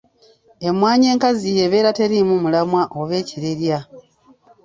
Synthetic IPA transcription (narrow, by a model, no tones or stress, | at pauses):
e̞mwaːɲe̞ːŋkazije̞βe̞ːɾate̞ɾimumulamwaʔoβe̞ːciɾe̞ɾja